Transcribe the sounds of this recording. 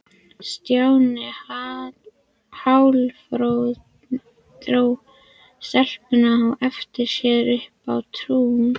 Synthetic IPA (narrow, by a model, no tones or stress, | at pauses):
st̪jawnɪha | hawlfɾow | θɾoːw | st̪ɛl̥pɪnahawɛft̪ɪɾ̥sjɛːðɾʏhpa̰wt̪ʰɾuːm